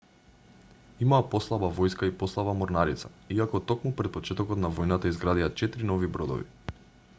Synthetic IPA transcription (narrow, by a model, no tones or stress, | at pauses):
imaːpɔslˠabavɔjskaipɔslˠabamɔɾnaɾit̪saiakɔt̪ɔkmupɾɛt̪̚pɔt͡ʃɛt̪ɔkɔt̪navɔjnat̪aizɡɾad̪iat͡ʃɛt̪ɾinɔvibɾɔd̪ɔ̰vḭ